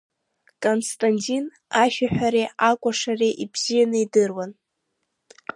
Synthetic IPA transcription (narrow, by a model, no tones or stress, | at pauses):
kʼonstʼantʲʼin | aʃʲᶣaħʷᶣaɾeakʷʼaʂareʔibz̥ijanɨidɨrwan